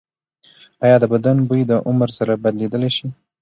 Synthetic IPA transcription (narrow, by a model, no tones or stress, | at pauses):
ɑjɑd̪əbad̪anbəjd̪əʔʊməɾsaɾabad̪led̪əleʃi